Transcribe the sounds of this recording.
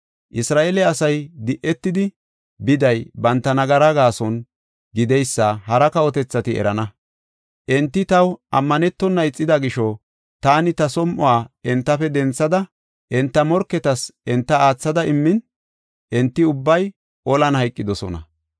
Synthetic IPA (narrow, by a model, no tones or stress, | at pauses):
ʔɪsɾaːʔelɛɐsɐjd̪ɪʔɛt̪ːɪd̪ɪ | bɪd̪ɐjbɐnt̪ːɐnɐɡɐɾɐɡaːsɔn | ɡɪd̪ɛjsːɐhɐɾɐkɐɔt̪ɛt͡sːɐt̪ɪɛ̰ɾɐnɐ | ʔɛnt̪ːɪt̪ɐwʔɐmːɐnɛt̪ːɔnːɐɪt͡sʼːɪd̪ɐɡɪʃɔ | t̪aːnɪt̪ɐsɔmʔʊaːɛnt̪ːɐfɛd̪ɛnt͡sːɐd̪ɐ | ʔɛnt̪ːɐmɔɾkːɛt̪ɐsʔɛnt̪ːɐaːt͡sːɐd̪ɐɪmːɪn | ʔɛnt̪ːɪʊbːɐj | ɔlɐnhɐjkʼːɪd̪ɔsɔ̰nɐ̰